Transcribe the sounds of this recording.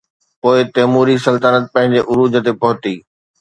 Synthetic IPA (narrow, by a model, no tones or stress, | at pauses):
poːɪt̪eːmuːɾisɐlt̪ənət̪̚pɐ̃ɦɪ̃ɲd͡ʑeʔʊɾuːd͡ʑə̆t̪epɐɦʊt̪iː